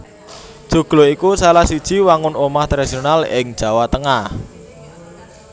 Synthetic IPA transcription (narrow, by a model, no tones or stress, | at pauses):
d̥ʒ̥ṳɡ̥loikusalahsid̥ʒ̥i̤waŋʊnomaht̪ɾesionalɪ̰ŋ̥ʒ̥ä̤wat̪əŋah